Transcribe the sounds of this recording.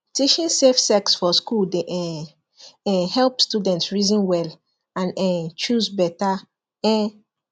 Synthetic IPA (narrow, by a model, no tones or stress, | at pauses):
tiʃĩnsefsɛksfɔskuldeʔɛ | ɛhɛlpstudɛ̃ntsɹizĩnwɛl | ãnɛt͡ʃuzbɛta | ɛ̃